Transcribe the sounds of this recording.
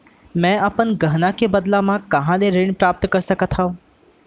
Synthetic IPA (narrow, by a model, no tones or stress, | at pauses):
mɛ̃ːɐpənɡəɦnakebɐd̪lamãkɐɦãd̪eɾeːɽ̃pɾaːp̚t̪kɐɾsəkət̪ʰã